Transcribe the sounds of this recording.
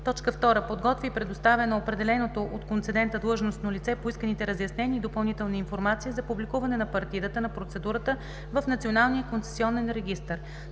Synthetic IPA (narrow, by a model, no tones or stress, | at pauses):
t̪ɔt͡ʃkəft̪ɔɾəpod̪ɡɔt̪vipɾɛd̪ost̪avənoopɾɛd̪ɛlɛnot̪oʔot̪kont̪sɛd̪ɛnt̪əd̪lˠɤʒnost̪nolit̪sɛpoiskənit̪ɛɾəzjɐsnɛnʲiːd̪opɐlˠnit̪ɛlˠniiːnfoɾmat̪siizɐpublikuvɐnɛnɐpɐɾt̪id̪ət̪ənɐpɾot̪sɛd̪uɾət̪ə | vəfnɐt̪sionalˠniəkont̪sɛ̥siɔnɛnɾɛɡist̪əɾ